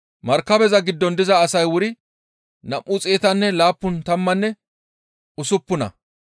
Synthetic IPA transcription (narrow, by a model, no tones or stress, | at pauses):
mɐɾkːɐbɛzɐɡɪd̪ːɔnd̪ɪzɐːsɐjwʊɾɪ | nɐʔʔːʊt͡sʼeːt̪ɐnːɛlaːpːʊnt̪ɐmːɐnːɛ | ʊsʊpːʊnɐ̰